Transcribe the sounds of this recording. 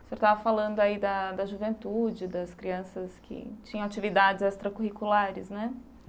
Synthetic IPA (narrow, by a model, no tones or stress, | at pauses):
seɾt̪avɐfalɐ̃nd̪ʊaid̪ɐd̪ɐʒuvẽnt̪ud͡ʒɪd̪ɐskɾiɐ̃sɐskʰɪ̰t͡ʃĩɲɐ̃w̃at͡ʃivid̪ad͡ʒɪzɛst̪ɾɐkuɦikulaɾɪsnɛ